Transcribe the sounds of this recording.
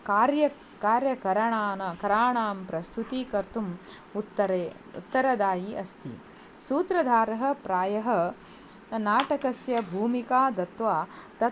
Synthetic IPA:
kaːɾjɐ | kaːɾjɐkɐɾɐɳaːnɐkɐɾaːɳaːmpɾɐst̪ʰut̪ikɐɾt̪um | ut̪ːɐɾeː | ṵt̪ːɐɾɐd̪aːjiʔɐst̪ʰḭ | suːt̪ɾɐd̪ʱaːɾɐɦɐ̆pɾaːjɐɦɐ̆ | naːʈɐkɐsjɐbʱuːmikaːd̪ɐt̪ʋaːt̪ɐ

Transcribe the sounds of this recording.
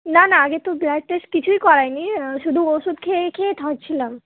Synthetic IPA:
nanaaɡet̪oblak̚ʈesʈkit͡ɕʰujkɔɾajniʃud̪ʱuoʃud̪̚kʰekʰeet̪ʰaɾt͡ɕʰilam

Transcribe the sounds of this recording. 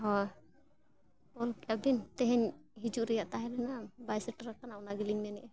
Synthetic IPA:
ɦɔj | ɔlkabint̪ɛɦɛɲɦid͡ʒuʔɾɛjaʔt̪aɦɛ̃ɾɛnabajsɛʈɾakanaunaɡiliŋnɛnɛʔɛ

